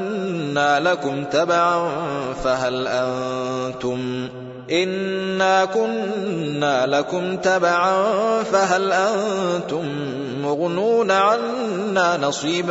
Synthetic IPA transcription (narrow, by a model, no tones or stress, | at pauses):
aːlakʊmt̪abaʕanfaɦalʔant̪ʊm | ʔɪnːaːkʊnːaːlakʊmt̪abaʕanfaɦalʔant̪ʊmː | ʊɣnuːnaʕanː | aːnɑsˤiːb